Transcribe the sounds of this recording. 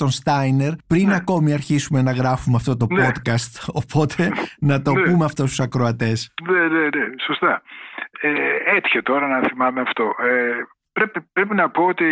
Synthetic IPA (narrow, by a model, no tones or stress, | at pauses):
t̪o̞nst̪ɐjne̞ɾpɾinɐko̞miɐɾçisume̞nɐɣɾɐfumeɐft̪o̞t̪o̞po̞t̪kɐst̪o̞pʰo̞t̪ʰe̞nɐt̪o̞pumeɐft̪o̞st̪u̥sɐkɾo̞ɐt̪e̞sneneneso̞st̪ɐ | eet̪çet̪o̞ɾɐnɐθimɐmeɐft̪o̞e | pɾepipɾe̞pinɐpo̞ot̪i